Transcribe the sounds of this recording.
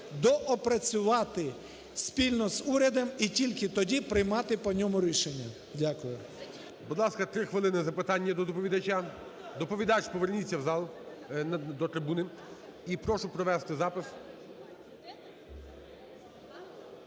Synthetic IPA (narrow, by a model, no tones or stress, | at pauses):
d̪ɔʔɔpɾɐt͡sʲʊʋɑt̪ɪ | sʲpʲilʲnɔzuɾʲɐd̪ɔmitʲilʲkɪt̪ɔdʲipɾɪjmɑt̪ɪpɔnʲɔmʊɾʲiʃenʲːɐ | dʲakʊjʊ | bʊd̪lˠɑskɐt̪ɾɪxʋɪlˠɪnɪzɐpɪt̪ɑnʲːɐd̪ɔd̪ɔpɔʋʲid̪ɐt͡ʃʲa | d̪ɔpɔʋʲid̪ɑt͡ʃpɔʋernʲit͡sʲːɐwzɑlˠ | d̪ɔt̪ɾɪbunɪ | ipɾɔʃʊpɾɔʋɛst̪ɪzɑpɪs